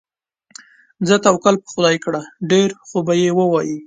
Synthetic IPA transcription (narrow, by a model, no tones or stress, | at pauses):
zət̪awkalpə̥xʊd̪ɑjkɽaɖeɾxobajewəwɑji